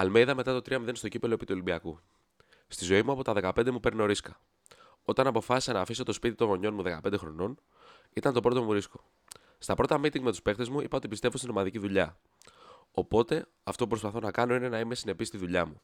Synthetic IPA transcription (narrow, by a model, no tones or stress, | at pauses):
ɐlmeiðɐme̞t̪ɐt̪o̞t̪ɾiɐmiðe̞nst̪o̞cipe̞lo̞e̞pit̪uo̞limbiɐku | st̪izo̞imuɐpo̞t̪ɐðe̞kɐpe̞nd̪e̞mupe̞ɾneo̞ɾiskɐ | o̞t̪ɐnɐpo̞fɐsi̥sɐnɐːfiso̞t̪o̞spit̪it̪o̞nɣo̞ɲo̞nmuðe̞kɐpnd̪exɾo̞no̞n | it̪ɐnt̪o̞pɾo̞t̪o̞muɾisko̞̥ | st̪ɐpɾo̞t̪ɐmit̪iŋɡme̞t̪uspe̞xt̪e̞zmuipɐo̞t̪ipist̪evost̪ino̞mɐðiciðuʎɐ | o̞po̞t̪e̞ | ɐft̪o̞pupɾo̞spɐθo̞nɐkɐno̞ine̞nɐime̞sine̞pist̪iðuʎɐmu